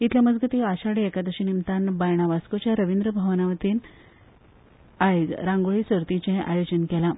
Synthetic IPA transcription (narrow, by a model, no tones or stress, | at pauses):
it̪ʰljaməd͡zɡət̪iaɕaɽiekad̪əɕinimt̪anbajɳ̃aʋaskut͡ɕjaɾəʋind̪ɾəbʱaʋnaʋət̪iːn | ajɡɾãŋɡoɭiːsʋəɾt̪ĩt͡ɕeɦʔajod͡ʑənkɛla